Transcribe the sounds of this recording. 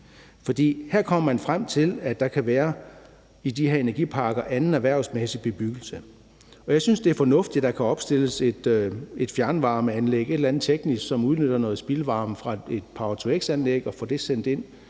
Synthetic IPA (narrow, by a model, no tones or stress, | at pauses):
fɒ̽d̥ḭːheɐ̰kʰɒ̽m̰ɐmænfʁam̰t͡sʰe̝læd̥ɑ̈kʰæʋæːɐ | id̥iheɐe̝næɐɡḭːpʰɑ̈ːɡ̥ɐʔænn̩æʋæɐ̰ʊ̰smesib̥e̝b̥yɡ̥l̩sə | ɒ̽jɑ̈ɪsynsd̥e̝æɐfɒ̽nɔ̽fd̥id̥d̥ɑ̈kʰæɒ̽b̥sd̥e̝l̰əse̝d̥e̝d̥fjæɐnʋɑ̈ːməænleɡ̥e̝delænð̩ˠt͡sʰeɡ̥nisɡ̥sɒ̽muðˠnøɾ̥ɐnɔ̽ːð̞̩ˠsb̥ilʋɑ̈ːmfʁɑ̈e̝d̥̚pʰɑ̈t͡sʰueɡ̥sænleɡ̥ɒ̽fɒd̥e̝sen̰d̥e̝n̰